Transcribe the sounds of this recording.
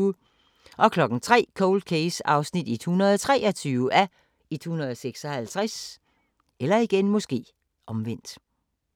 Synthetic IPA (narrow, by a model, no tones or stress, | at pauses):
ʔɒ̽kʰlɒ̽ɡ̥n̩t͡sʰʁɛ̰ːkʰoʊld̥̚kʰeɪsɑ̈ʊsnid̥it͡sʰohunɐðˠt͡sʰʁɛːɒ̽t͡sʰyːʊʔæ | it͡sʰohunɐðˠseɡ̥sɒ̽hælt͡sʰʁas | elɐiɡ̥enmɔ̽sɡ̥e̝̰ː | ʔɒ̽mʋen̰d̥